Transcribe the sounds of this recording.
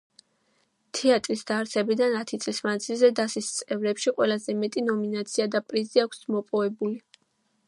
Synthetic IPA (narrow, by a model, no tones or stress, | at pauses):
t̪ʰɛat̪ʼɾisd̪̥aɾt̪sʰɛbid̪anat̪ʰit̪sʼlismand̪zilˠzɛd̪asist̪sʼɛvɾɛpʃiqʼwɛlazɛmɛt̪ʼinɔminat̪sʰiad̪apʼɾiziakʰʷsmɔpʼɔvɛbuli